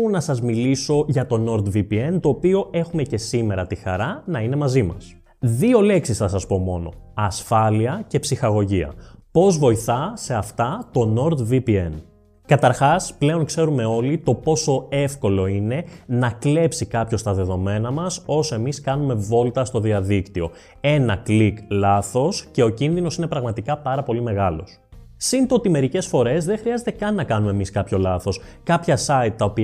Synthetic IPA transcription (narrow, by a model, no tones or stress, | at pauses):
nɐsɐzmiliso̞ʝɐt̪o̞no̞ɾd̪vipie̞nt̪o̞ːpio̞ʔe̞xume̞ce̞sime̞ɾɐt̪ixɐ̰ɾɐnɐine̞mɐzimɐ̰s | ðio̞le̞ksisθɐsɐspo̞mo̞̰no̞̰ɐsfɐliɐce̞psixɐɣo̞ʝiɐ̰po̞zvo̞iθɐse̞ɐft̪ɐt̪o̞no̞ɾd̪vipie̞n | kɐt̪ɐɾxɐsple̞o̞nkse̞ɾume̞o̞lit̪o̞po̞so̞e̞fko̞lo̞ine̞nɐkle̞psikɐpço̞st̪ɐðe̞ðo̞me̞nɐmɐso̞soe̞miskɐnume̞vo̞lt̪ɐst̪o̞ðiɐðikt̪io̞̰ | e̞nɐkliklɐθo̞sce̞o̞cinðino̞sinepɾɐɣmɐt̪ikɐpɐɾɐpo̞lime̞ɣɐlo̞̰s | sint̪o̞t̪imeɾice̞sfo̞ɾe̞zðe̞ŋxɾiɐze̞t̪e̞kɐnːɐkɐnumemiskɐpço̞lɐθo̞skɐpçɐsɐit̪̚t̪ɐopi